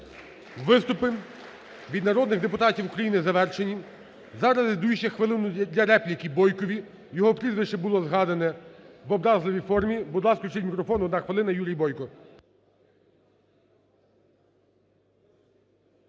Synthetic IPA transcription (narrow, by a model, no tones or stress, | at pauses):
ʋɪst̪ʊpɪ | ʋʲid̪nɐɾɔd̪nɪɣd̪epʊt̪ɑtʲiwukɾɐjinɪzɐʋɛrʃenʲi | zɑɾɐzɪd̪ujuʃɐxʋɪlˠɪnʊd̪ʲlʲɐɾɛplʲikʲibɔjkɔʋʲi | jɔɦɔpɾʲizʋɪʃt͡ʃɪbʊlˠɔzɦɑd̪ɐnɛʋɔbɾɑzlˠɪʋʲifɔrmʲibʊd̪lˠɑskt͡ʃɪtʲmʲikɾɔfɔnʊd̪ɐxʋelˠɪnɐjuɾʲijbɔjkɔ